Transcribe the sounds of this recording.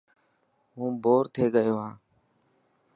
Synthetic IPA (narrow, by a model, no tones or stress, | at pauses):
ɦũːboːɾt̪ʰeːɠəjoːɦãː